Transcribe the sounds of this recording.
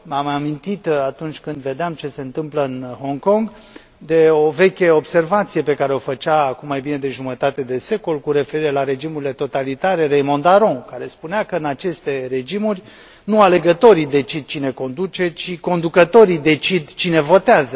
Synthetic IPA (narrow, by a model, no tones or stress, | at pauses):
mamamint̪it̪at̪unt͡ʃʲkɨnd̪ve̞d̪eamt͡ʃe̞se̞ɨnt̪ɨmpləɨnho̞ŋko̞ŋɡ | d̪e̞ove̞kʲe̞o̞bse̞rvat̪sije̞pe̞kaɾe̞o̞fət͡ʃaːkumːajbine̞d̪eʒumət̪at̪e̞d̪e̞se̞ko̞lkuɾe̞fe̞ɾiɾe̞laɾe̞d͡ʒimuɾile̞t̪o̞t̪alit̪aɾe̞ɾejmond̪aɾõ̞kaɾe̞spuneakəɨnat͡ʃe̞st̪e̞ɾe̞d͡ʒimurʲ | nuale̞ɡət̪o̞ɾid̪e̞t͡ʃid̪̚t͡ʃine̞ko̞nd̪ut͡ʃe̞t͡ʃiko̞nd̪ukət̪o̞ɾid̪e̞t͡ʃid̪t͡ʃine̞vo̞t̪eazə